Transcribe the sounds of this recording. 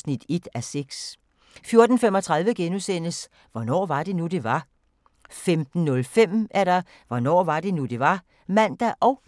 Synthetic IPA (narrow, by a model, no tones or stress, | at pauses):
snid̥e̝d̥æseɡ̥s | fjo̝ɐd̥n̩femɒ̽t͡sʰʁäð̞ˠʋəɡ̥enusen̰əs | ʋɒnɒ̰ːʋɑ̈d̥e̝nud̥e̝ʋɑ̈ | femd̥n̩ːɔ̽lfem̰ʔæɐɾ̥ɑ̈ | ʋɒnɒ̰ːʋɑ̈d̥e̝nud̥e̝ʋɑ̈ | mæn̰d̥æʔɒ̽ʊ